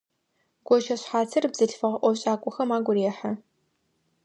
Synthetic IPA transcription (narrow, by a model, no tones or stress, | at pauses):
ɡ̥ʷɔʒɐɕħaːtʰɨrbz̥ɨɬfɨʁɐʔʷɔɕʼaːkʷʼɔxɐmaːɡʷʊɾeːħɐ